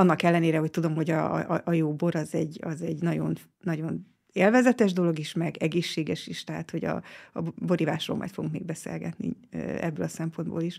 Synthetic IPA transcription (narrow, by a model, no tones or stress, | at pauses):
ɒnːɒkɛlːɛneːɾɛɦo̞c̚t̪ud̪o̞mho̞ɟɒʔjoːbo̞ɾɒzɛɟːɒzɛɟnɒɟo̞̰nː | ɒɟo̞n | eːlvɛzɛt̪ɛʒd̪o̞lo̞ɡiʃmɛɡɛɡeːʃːeːɡɛʃiʃt̪ɛɦa̰ːt̪ho̞ɟɒ̰ːbo̞ɾivaːʃro̰ːlmʔɒ̰jt̪foɡuŋkmeːɡ̚bɛsḛlɡɛt̪nḭ | ɛ̰bːø̰ːlɒsɛmpo̞nd̪bo̰ːliʃ